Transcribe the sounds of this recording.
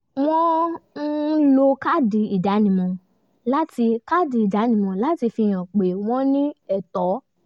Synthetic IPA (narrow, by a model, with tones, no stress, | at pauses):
w̃ɔ̃˦n̩˦lo˧ka˦˨di˧i˨da˨˦nĩ˨mɔ̃˧ | la˦ti˧ka˦˨di˧˦i˨da˨˦nĩ˧˨mɔ̃˧la˦ti˧fi˧j̃ɔ̃˨k͡pe˨w̃ɔ̃˦nĩ˦ɛ˦˨tɔ˨˦